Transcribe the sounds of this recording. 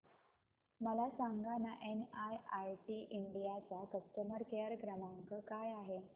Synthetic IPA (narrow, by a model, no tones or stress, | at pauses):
məlasaŋɡanaʔenajajʈiːʔiɳɖijat͡sakəsʈəməɾkeaɾɡɾəmaŋkəkajaɦe